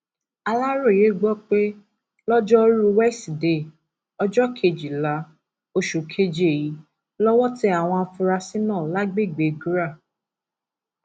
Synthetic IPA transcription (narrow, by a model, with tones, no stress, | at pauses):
a˧la˦ɾo˦˨je˨˦˨ɡ͡bɔ˦k͡pe˦ | lɔ˦d͡ʒɔ˦ɾu˦wɛ˦sde˦˨ | ɔ˧d͡ʒɔ˦kʰe˧˨d͡ʒi˨la˨˦ | o˧ʃu˨kʰe˦d͡ʒe˨ji˨˦ | lɔ˦wɔ˦ti˦a˨w̃ɔ̃˧˦fũ˧ɾa˧sĩ˦nãː˦˨la˦ɡ͡be˦˨ɡ͡be˨ɡu˦ɾa˦˨